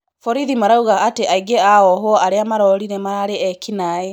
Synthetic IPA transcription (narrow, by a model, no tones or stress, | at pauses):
fɔɾiðimaɾauɣaateʔaiɡeaɔɦɔaɾeamaɾɔɾinemaɾaɾeɛkinae